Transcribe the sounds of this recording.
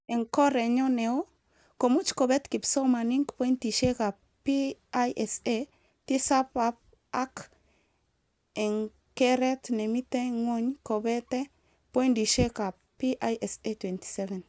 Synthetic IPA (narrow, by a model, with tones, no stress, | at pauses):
e˨ŋko˦ɾe˨ɲo˦neo˦ | ko˨mu˦t͡ʃko˨bɛ˦t̪ki˨pso˦ma˨niŋkpo˦jnti˨ʃe˦ka˨ | piajʔɛse | ti˦sapap | ak | e˨ŋ | kɛɾɛt̪ne˨mi˦t̪e˦ŋwo˦ɲko˨bɛ˦te | po˦jndi˨ʃe˦ka˨ | pi˦ʔajʔɛ˨setwe˨nti̥˨sɛvɛ˨n